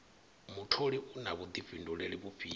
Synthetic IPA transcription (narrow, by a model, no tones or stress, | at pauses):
mutʰoɺiʔunaβud̪ivinduɺeɺiβufiː